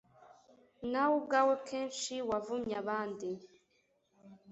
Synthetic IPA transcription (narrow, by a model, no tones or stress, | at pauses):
nawuɡawekʰeːnʃiwavumɲaβaːndi